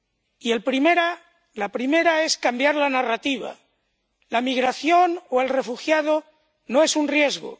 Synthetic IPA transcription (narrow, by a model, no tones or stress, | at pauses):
ielpɾimeɾa | lapɾime̞ɾae̞skambjaɾlanarat̪iβ̞a̰ | lamiɣɾaθjo̞noe̞lre̞fuxjað̞o | noe̞sunrje̞zɣo̰